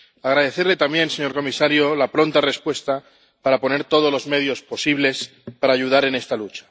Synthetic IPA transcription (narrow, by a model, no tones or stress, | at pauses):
aɣɾað̞e̞θe̞ɾle̞t̪ambje̞nse̞ɲo̞ɾko̞misaɾjolapɾo̞nt̪are̞spwe̞st̪a | paɾapo̞ne̞ɾt̪o̞ð̞olo̞zme̞ðjo̞spo̞siβle̞s | paɾaːʝuð̞aɾe̞ne̞st̪alut͡ʃḁ